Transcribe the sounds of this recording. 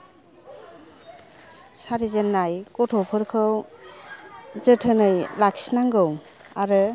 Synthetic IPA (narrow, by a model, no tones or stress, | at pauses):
saɾizenːajkɔtʰopʰɯɾkʰɯw | zɯtʰɯnɯjlaksinaŋɡɯw | aɾɯ